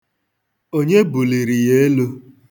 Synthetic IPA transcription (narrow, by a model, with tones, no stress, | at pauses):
o˦ɲe˦bu˨li˨ɾi˨je˦lu˦